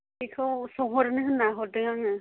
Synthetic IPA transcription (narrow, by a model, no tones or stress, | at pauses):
ikʰɯwsɔŋɦɔɾɯnɯɦɯnːaɦɔdɯŋaŋɯ